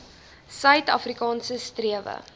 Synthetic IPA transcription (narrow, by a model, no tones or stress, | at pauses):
sœɥtɐ̰frikɑːnsəstriəvə̰